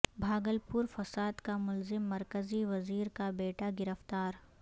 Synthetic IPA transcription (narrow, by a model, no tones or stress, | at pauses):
bʱaːɡəlpuɾfɐsaːd̪kamʊlzɪmːɐɾkəziʋɐziːɾkabeːʈaɡɪɾəft̪aːɾ